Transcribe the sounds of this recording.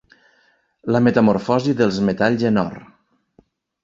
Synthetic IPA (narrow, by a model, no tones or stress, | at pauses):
ləmet̪əmoɾfɔziðelˠzmet̪aʎzenɔ̰r